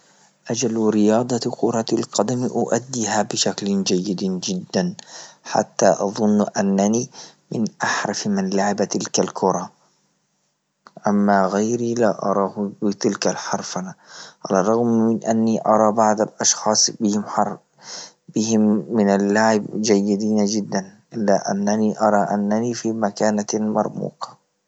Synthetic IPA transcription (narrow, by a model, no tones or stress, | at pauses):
ʔad͡ʒalɾɪjɑːd̪ˤɑqʊɾˤɑlqɑd̪amʔʊʔad̪ːihabɪʃakld͡ʒajːɪd̪d͡ʒɪd̪ːanħa̰t̪ːaʔɑðˤʊnːʔanːanimɪnʔaħɾˤɑfmɪnlaʕɪbat̪ɪlkalkʰʊɾˤɑ | ʔamːaɣajɾilaʔɑ̰ɾˤɑːhbɪt̪ɪlkalħɑɾˤfɑnaʕa̰lɑrˤːɑɣmːɪnʔanːiʔɑɾˤɑːbaʕd̪alʔɑʃxɑːsˤbɪhɪmħɑɾ | bɪhɪmːɪnalːaʕɪbd͡ʒajːɪd̪iːnd͡ʒɪd̪ːanʔɪlːaʔa̰nːaniʔɑɾˤɑʔanːaniːfimakaːnamɑ̰ɾˤmṵːqɑ̥